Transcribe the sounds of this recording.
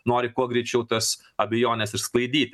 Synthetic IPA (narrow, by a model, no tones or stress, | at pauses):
noːɾʲɪkuɔɡɾʲɛɪt͡ʃʲɛʊt̪ɐs | ɐbʲɛjoːnʲɛsɪɾsklˠɐɪd̪ʲiːt̪ʲ